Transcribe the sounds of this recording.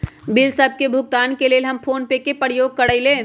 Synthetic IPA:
bilsəb̚kebʱʊɡ̚t̪aːnkelelɦəmpʰoːnpekepəɾjoːɡ̚kəɽəɪlẽ

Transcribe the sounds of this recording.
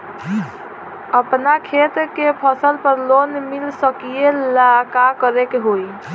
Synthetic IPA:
əpnakʰet̪kepʰəsəlpəɾlonmilsəkijelakakəɾekeɦoi

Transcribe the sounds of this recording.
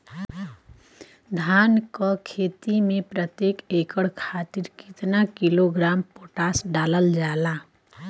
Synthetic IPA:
d̪ʱaːnkɔkʰeːt̪imẽpɾət̪jeːkeːkəɽkʰaːt̪ɪɾkɪt̪nakiloɡɾaːmpoːʈaːsɖaːləld͡ʒaːlaː

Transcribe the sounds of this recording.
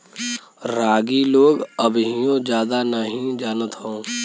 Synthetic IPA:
ɾaːɡiloːɡəbɦijõd͡ʒjaːd̪anəɦĩd͡ʒaːnət̪ɦõː

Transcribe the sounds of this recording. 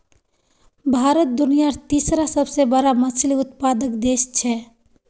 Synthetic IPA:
bʱaːɾət̪̚d̪ʊnijaɾt̪iːsɾasəbsebəɾamət͡ʃʰliʊt̪paːd̪əkd̪eːst͡ʃʰɛ

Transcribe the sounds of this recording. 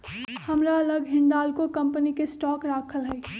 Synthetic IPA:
hɐmɾaɐləɡɦɪ̃ɳɖaːlkokɐ̃mpənikesʈɔːkɾaːkʰəlɦɛː

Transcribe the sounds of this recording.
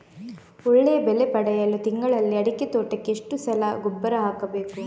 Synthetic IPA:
ɔɭːejɐbɛlepɐɽɐjɐlut̪iŋɡɐɭɐlːiɐɽiket̪oːʈːɐkːeʂʈusɐlɐɡubːɐɾɐɦaːkɐbeːku

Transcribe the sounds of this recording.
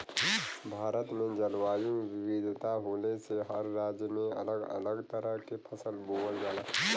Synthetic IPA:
bʱaːɾət̪mẽd͡ʒəlʋaːjũwɪwid̪ʱt̪aɦoːneseɦəɾːaːd͡ʒjəmẽɐ̰ləɡɐ̰ləɡt̪əɾəɦkepʰəsəlboːəld͡ʒaːlaː

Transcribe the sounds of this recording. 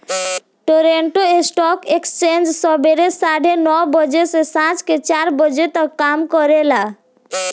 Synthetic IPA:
ʈoɾeɳʈoesʈɔkekst͡ʃend͡ʒsɔbeɾesaɽʱenɔbəd͡ʒesesãt͡ʃket͡ʃaɾbəd͡ʒet̪əkːamkɔɾela

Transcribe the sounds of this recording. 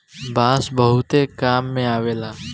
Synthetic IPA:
baːsbəɦʊt̪ekaːmːẽaːʋeːlaː

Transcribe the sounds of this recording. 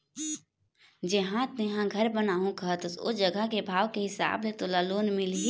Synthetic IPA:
d͡ʒɐɦãt̪neɦãɡʱɐɾbənaːɦũkəɦt̪ʊsʊ̰d͡ʒɐɡəkebʱaːʋkeɦɪsa̰ːblet̪olaːloːnmɪli

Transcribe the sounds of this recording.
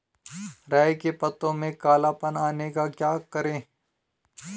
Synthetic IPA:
ɾaːjkepɐt̪ːõmẽkaːlapənaːnekakjaːkɐɾẽː

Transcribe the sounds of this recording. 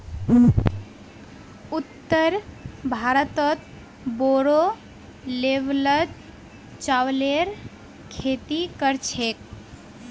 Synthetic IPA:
ut̪ːəɾbʱaɾət̪ət̪ | boɾo | leʋlət̪ | t͡ʃawleɾ | kʰet̪ikəɾt͡ʃʰek

